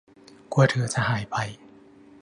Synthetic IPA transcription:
ku˧ɐt̪ʰɯ˨˦ɐt͡ɕa˧˩ɦaː˨˩˦jpa˨˩j

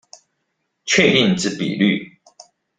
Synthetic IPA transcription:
t͡ɕʰɥɛ˥˧˨i˥˨nʈ͡ʂɻ̩˥˨pḭ˨ly̰˥˨

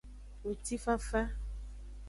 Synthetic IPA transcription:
wu˨t̪i˦fa˦fa˦

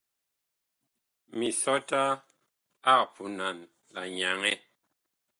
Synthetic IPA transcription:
mi˨sɔ˦ta˦ | a˦˨k̚pʰu˨˦na˨n | la˨ɲa˨ŋɛ˦

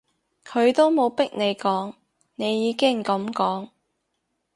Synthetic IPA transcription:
kʰɵ˨˧ɥt̪o˥wmo˨˧wpɪ˥k̚ne˨˧jkɔː˨˥ŋ | ne˨˧jːiː˨˧kɪ˥ŋkɐ˨˥mkɔː˨˥ŋ

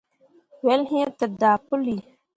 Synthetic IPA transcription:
wɛ˦lɦĩ˦tɨ˨daː˨pʊ˦li˨

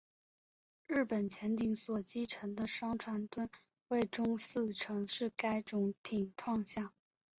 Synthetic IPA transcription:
ɻɻ̩˥˩pə˨˩nt͡ɕʰjɛ˧˥nt̪i˧˥ŋswɔ˨˩t͡ɕi˥ʈ͡ʂʰɤ˧˥ŋd̪ə˧ʂɑ˥ŋʈ͡ʂʰwa˧˥nt̪wə˥n | we˥˩ɪʈ͡ʂʊ˥ŋsɹ̩˥˩ʈ͡ʂʰɤ˧˥ŋʂɻ̩˥˩ka˥ɪʈ͡ʂʊ˧˥ŋt̪ʰi˨˩ŋt̪ʰwɑ˥˧ŋɕjɑ˥˩ŋ

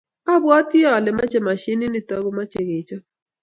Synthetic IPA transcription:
a˦bwɔ˦tɪ˦ɔ˨lɪ˨ma̰˦t͡ʃɛ˨ma˨ʃi˦ni˦ni˦˨tɔ˦ɡʊ˦ma˦t͡ʃe˨ɡe˨t͡ʃɔ˦

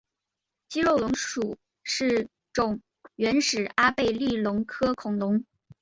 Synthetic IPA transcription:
t͡ɕi˥ɻo˥˩ʊlʊ˧˥ŋʂu˨˩˦ | ʂɻ̩˥˩ | ʈ͡ʂʊ˨˩ŋ | ɥɛ˧˥nʂɻ̩˨˩a˥pe˥˧ɪli˥˩lʊ˧˥ŋkʰɤ˥kʰʊ˨˩ŋlʊ˧˥ŋ

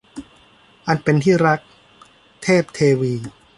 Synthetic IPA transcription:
ʔa˧npe˧nt̪ʰiː˥˩ɾa˦˥k̚ | t̪ʰeː˥˩p̚t̪ʰeː˧wiː˧

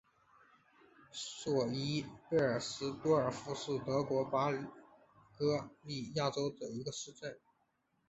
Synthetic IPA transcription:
swɔ˨˩i˥pe˥˩ə˞˨˩sɹ̩˥t̪wɔ˥ə˞˨˩fu˧˥ʂɻ̩˥˩t̪ɤ˧˥kwɔ˧˥pa˥ly˨˩ | kɤ˥li˥˩ja˥˩ʈ͡ʂo˥ʊd̪ə˨˩i˧˥ɡə˧ʂɻ̩˥˧ʈ͡ʂə˥˩n

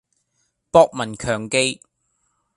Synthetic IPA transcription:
pɔː˥k̚mɐ˨˩nkʰœː˨˩ŋke˧j

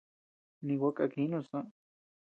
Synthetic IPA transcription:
nĩ˧wʷa˦kʼa˧kĩ˧˦nũ˦˧˨sã˦

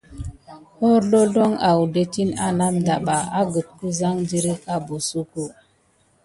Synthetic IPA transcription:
ho˦ɾlo˦lo˦ŋa˨wde˦ti˦na˦na˦mda˨ba˨a˦ɡə˨t̚ku˦za˦ŋd͡ʒi˦ɾi˦ka˦bu˨su˦ku˦

